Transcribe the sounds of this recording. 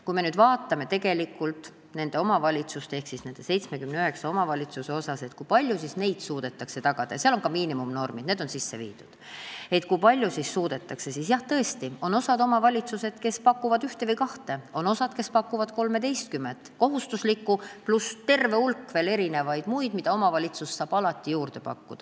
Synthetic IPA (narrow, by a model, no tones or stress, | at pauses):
kujme̞nyːd̪vɑːt̪ːˑɑme̞t̪e̞ɡe̞likːˑult̪ˑ | ne̞nd̪e̞o̞mɑvɑlʲit̪sust̪ee̞hksisne̞nd̥̪e̞se̞jt̪smekymneyɦe̞ksɑo̞mɑvɑlʲit̪suse̞o̞sɑse̞t̪ːkujpɑlʲjusisne̞jd̪̥suːd̪̥e̞t̪ːˑɑkse̞t̪ɑɡ̥ɑd̪̥ɑjɑseɑlonkɑmiːnimumno̞rmid̪̥neːd̪̥o̞nsisːe̞̰vḭːd̪̥ud̪̥e̞t̪kujpɑlʲjusisːuːd̪̥e̞t̪ːˑɑkse̞sisjɑht̪ɤ̞e̞st̪io̞no̞sɑd̪o̞mɑvɑlʲit̪suse̞d̪̥ke̞spɑkːuvɑd̪yht̪evɤjkɑht̪e̞o̞no̞sɑd̪̥ke̞spɑkːˑuvɑd̪̥ko̞lme̞d̪e̞jst̪̚kymːent̪ko̞ɦust̪uslikːˑuplust̪e̞rve̞ulkːveːle̞ɾine̞vɑjd̪̥mujd̪mid̪̥ɑo̞mɑvɑlʲit̪sussːɑːb̥ɑlɑt̪ːˑijuːrd̪̥e̞pɑ̰kːud̪̥ɑ